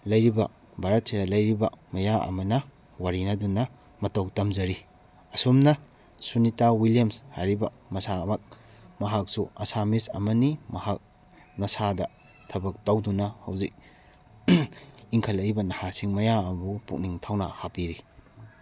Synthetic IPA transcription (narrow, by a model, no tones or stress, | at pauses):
lɐjɾibɐ̰ | bʱaɾɐt̚sidɐlɐjɾibɐ̰mɐjaʔɐ̰mɐnɐ | waɾinɐdunɐ | mɐtɐwtɐmzɐɾi | ɐsumnɐ | sunitawilijɐmsha̰ɾibɐ̰ | mɐsamɐk̚ | mɐɦak̚suɐsamisɐ̰mɐnimɐhak̚ | nɐsadɐ | tʰɐbɐk̚tɐwdunɐhɐwzik̚ | iŋkʰɐlɐɾibɐnɐhasiŋmɐjamɐbupṵk̚niŋtʰawnɐ̰hapiɾi